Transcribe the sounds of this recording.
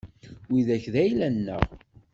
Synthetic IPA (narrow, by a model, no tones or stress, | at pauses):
wiðæçðæjlænːə̰ʁ